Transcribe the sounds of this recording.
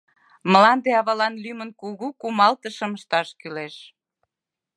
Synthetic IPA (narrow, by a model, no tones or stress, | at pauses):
məlɑnd̪eɑβɑlɑnlymənkuɣukumɑlt̪əʃəməʃt̪ɑʃkyleʃ